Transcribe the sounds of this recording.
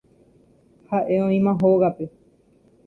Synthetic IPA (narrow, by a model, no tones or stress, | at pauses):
haʔe̞õĩmãɦoɣape̞